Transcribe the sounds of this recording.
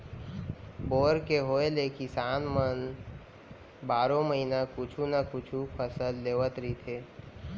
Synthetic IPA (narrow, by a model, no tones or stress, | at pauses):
boːɾkeɦoeleːkisaːnmən | baːɾõməɦinakʊt͡ʃʰunakʊt͡ʃʰupʰəsəlːeːʋət̪ɾit̪ʰeː